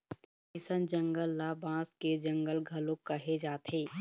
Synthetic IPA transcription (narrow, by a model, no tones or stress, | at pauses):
ɪsənd͡ʒə̃ŋɡəlːabãːsked͡ʒə̃ŋɡəlɡʱɐlõkəɦed͡ʒaːt̪ʰɦeː